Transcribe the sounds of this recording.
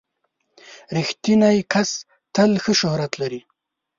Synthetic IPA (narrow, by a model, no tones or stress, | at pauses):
ɾixt̪inajkʰas | t̪əlxəʃʊhɾat̪laɾi